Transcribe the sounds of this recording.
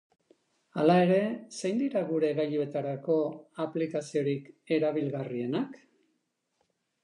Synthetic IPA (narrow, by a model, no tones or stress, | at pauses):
alae̞ɾe̞sejnd̪iɾaɣuɾe̞ɣaʎue̞t̪aɾako̞aplikasio̞ɾike̞ɾaβilɣarie̞nak